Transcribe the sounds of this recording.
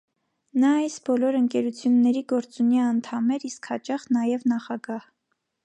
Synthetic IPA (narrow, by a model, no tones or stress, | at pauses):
nɑɑjsbɔlɔɾəŋkɛɾut͡sʰjunːɛɾiɡɔɾt͡suniɛɑnt̪ʰɑmɛɾiskhɑt͡ʃɑχnɑjɛvnɑχɑɡɑh